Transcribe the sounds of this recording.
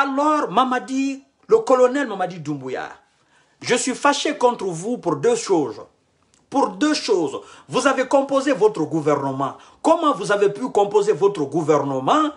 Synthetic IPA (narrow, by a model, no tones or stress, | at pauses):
alɔʁmamad̪i | ləkɔlɔnɛlmamad̪id̪ũmbuja̰ʁ | ʒəsɥifaʃekɔ̃t̪ɾəvupuʁd̪øʃoz | puʁd̪øʃozvuzavekɔ̃pozevɔt̪ʁəɡuvɛʁnəmɑ̰̃ | kɔmɑ̃vuzavepykɔ̃pozevɔt̪ɾəɡuvɛʁnəmɑ̃